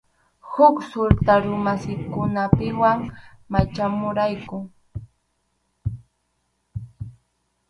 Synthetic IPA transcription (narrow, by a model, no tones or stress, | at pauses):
hʊksʊɾt̪aɾʊmasɪkʊnapɪwaŋmat͡ʃamʊɾajkʊ